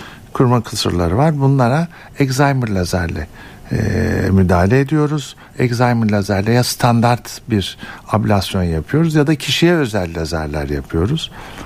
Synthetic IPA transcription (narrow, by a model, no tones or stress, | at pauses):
kʰuɾmakʰɯsɯ̰ɾlˠa̰ɾɯvaɾbunlˠaɾa | ɛkzajmɯɾlʲazæɾlʲɛ̰ | myd̪aːlʲeːd̪ijo̞ɾuz̥ | ɛkzajmɯɾlʲazæɾlʲɛjast̪ʰand̪aɾt̪biɾablʲasjo̞njapʰɯjo̞ɾuzjad̪acʰiʃijɛø̞zɛlʲːiazæ̰ɾlʲæ̰ɾjapʰɯjo̞ɾuz̥